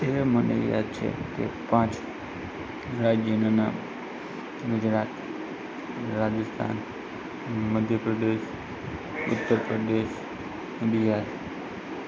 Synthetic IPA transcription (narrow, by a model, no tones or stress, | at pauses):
emənḛja̰d̪̚t͡ʃʰḛt̪ḛpãt͡ʃ | ɾad͡ʒjənana | ɡʊd͡ʒɾat̪ | ɾad͡ʒəst̪ʰa̰n | məd̪ʱjəpɾəd̪eʃ | ʊt̪ːəɾpɾəd̪eʃ | d̪ijaɾ